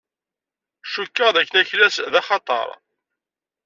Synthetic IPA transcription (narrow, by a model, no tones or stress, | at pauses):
ʃukːəʁðækːənæçlæsðɑχɑt̪ˤɑ̰ɾˤ